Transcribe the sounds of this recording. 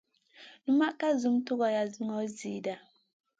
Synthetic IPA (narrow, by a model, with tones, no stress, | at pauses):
nu˦ma˦ʔka˦zu˨˦m˦tu˦ɣɔ˨ja˨zi˦ŋɔ˨˦zi˨˦da˨